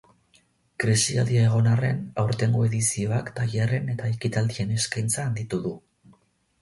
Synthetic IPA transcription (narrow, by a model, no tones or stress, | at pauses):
kɾisialiae̞ɣ̞o̞nare̞̰nawɾt̪e̞ŋɡoe̞ðisio̞akt̪aʝare̞ne̞t̪aekit̪ald̪ie̞ne̞skajnt͡saːnd̪it̪uðu